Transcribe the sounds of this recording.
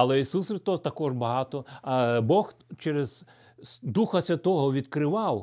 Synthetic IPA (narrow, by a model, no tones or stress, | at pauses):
ɐlˠɛisusxɾɪst̪ɔst̪ɐkɔʒbɐɦɑt̪ɔbɔxt͡ʃɛɾez̥ | d̪uxɐsʲʋʲɐt̪ɔɦɔʋʲid̪kɾɪʋɑw